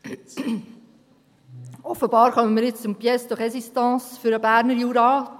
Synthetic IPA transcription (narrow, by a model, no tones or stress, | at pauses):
ɔfəbɑːɾχœmənmiːɾjɪt͡st͡sʊmpjɛsd̥̪oχɛsistɑ̃ːsfʏɾəbæːɾnəɾjuːɾɑː